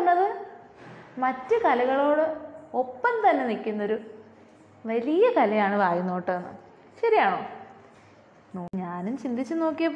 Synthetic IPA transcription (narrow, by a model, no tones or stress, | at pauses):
nːɐðɨ | mɐtːɨkɐlɐɣɐɭo̞ːɽɨo̞pːɐnt̪ɐnːe̞nikʲːunːɐo̞ɾu | ʋɐlijɐkɐlɐjaːɳɨʋaːjunːo̞ːʈːnːɨ̰ | ɕɐɾijaːɳo̞ː | noːɲaːnumt͡ɕind̪it͡ɕːɨnoːkːijɐpː